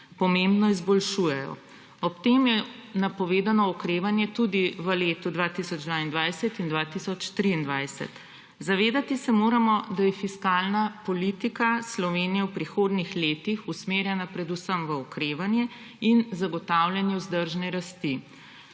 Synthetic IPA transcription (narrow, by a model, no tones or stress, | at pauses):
pɔmẽmbnɔizbɔlʃuːjɛjɔ̰ | ɔpt̪eːmjɛnapɔʋeːd̪anɔɔkɾeːʋanjɛt̪ud̪iʋəleːt̪ud̪ʋaːt̪isɔd͡ʒd̪ʋaind̪ʋajsɛt̪ind̪ʋaːt̪isɔt͡ʃt̪ɾiːnd̪ʋajsɛ̰t̪ | zaʋeːd̪at̪isɛmoːɾamɔd̪ajɛfiskalnapɔlit̪ikaslɔʋeːnijɛwpɾixoːd̪nixleːt̪ixusmeːɾjɛnapɾɛd̪usəmʋəɔkɾeːʋanjɛ | inzaɡɔt̪awljɛnjɛwzd̪əɾʒnɛɾast̪i